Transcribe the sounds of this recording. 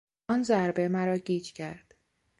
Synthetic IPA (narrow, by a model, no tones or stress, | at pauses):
ɒnzæɾbemæɾɒːɟiːd͡ʒcʰæɾd̪̥